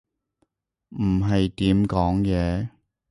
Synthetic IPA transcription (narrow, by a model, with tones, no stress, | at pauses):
m̩˨˩ɦɐ˨jt̪iː˨˥mkɔː˨˥ŋjɛː˨˧